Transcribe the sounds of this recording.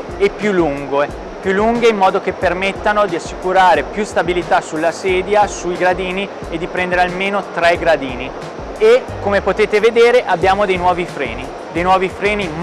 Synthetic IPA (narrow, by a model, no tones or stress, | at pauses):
epːjulːuŋɡe | pjulːuŋɡeimːɔːd̪ok̟epːermet̪ːanod̪iasːikuɾaːɾepjust̪abilit̪asulːasɛːd̪jasuiɡɾad̪iːni | ed̪ːipɾɛnd̪eɾealmeːnot̪ɾɛɡɾad̪iːni | ekːomepot̪eːt̪eved̪eːɾeʔabːjaːmod̪ejnwɔːvifɾɛ̰ːni | d̪ejnwɔːvifɾɛːni